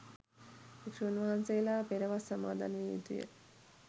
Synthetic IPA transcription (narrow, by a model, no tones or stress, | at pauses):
ekʂuunʋaɦansejlapeɾəʋasɐma̰ːd̪a̰njut̪ujə̰